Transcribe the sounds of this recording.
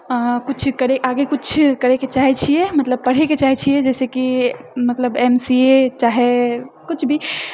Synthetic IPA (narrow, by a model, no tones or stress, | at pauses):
kut͡ʃʰkəɾeaːɡekut͡ʃʰkəɾeket͡ʃaɦɛt͡ʃʰijemət̪ləb̚pəɽ̤eket͡ʃaːɦɛt͡ʃʰijed͡ʒɛːsekimət̪ləbɛmsiet͡ʃaɦekʊt͡ʃʰbʱi